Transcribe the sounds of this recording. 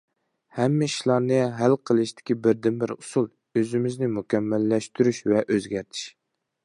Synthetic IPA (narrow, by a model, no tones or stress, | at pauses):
hɛmːɛ̥ʃlˠɑɾnɨɦælqʰəlˠɨʃt̪ʰɪ̥kʲibɪɾd̪ɪnbɪɾusulˠ | øzɪmɪznɪmukʲɛmːælːɛʃt̪ʰyɾyʃvɛʔøzɡʲæɾt̪ʰi̥ʃ